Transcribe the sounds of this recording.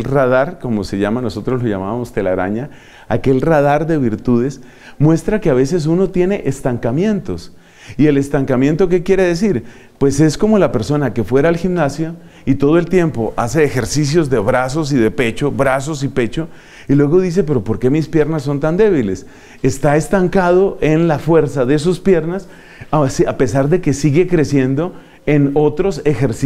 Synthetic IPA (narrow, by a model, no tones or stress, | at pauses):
lraðaɾko̞mose̞ʝamano̞so̞t̪ɾo̞slo̞ʝa̰maβamost̪e̞laɾa̰ɲa | a̰ke̞lrað̞aɾd̪eβiɾt̪uð̞e̞s | mwe̞st̪ɾakeaβ̞e̞s̬e̞s̬uno̞t̪je̞ne̞ʔest̪aŋkamje̞nt̪o̞s | ie̞le̞st̪aŋkamjẽ̞nt̪o̞k̬e̞kje̞ɾe̞ðe̞s̬iɾ | pwe̞se̞sko̞mo̞lape̞ɾso̞nake̞fwe̞ɾaːlximnasjo̞ | it̪o̞ðoe̞lt̪je̞mpo̞ʔa̰se̞ːxe̞ɾsis̬jo̞zd̪e̞βɾas̬o̞s̬iðe̞pe̞t͡ʃo̞βɾaso̞sipe̞t͡ʃo̞ | ilwe̞ɣo̞ðis̬e̞pe̞ɾo̞po̞ɾke̞mispje̞ɾnasːo̞nt̪and̪e̞β̞ile̞s | est̪aest̪aŋkað̞o̞ʔe̞nlafwe̞ɾsaðes̬uspje̞ɾnas | sape̞saɾd̪e̞ke̞siɣe̞kɾe̞sje̞nd̪o̞ | e̞no̞t̪ɾo̞se̞xeɾs